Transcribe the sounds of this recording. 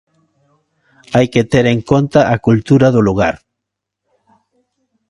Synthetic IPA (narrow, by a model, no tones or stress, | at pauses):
ajket̪eɾeŋkont̪aʔakult̪uɾaðʊluɣaɾ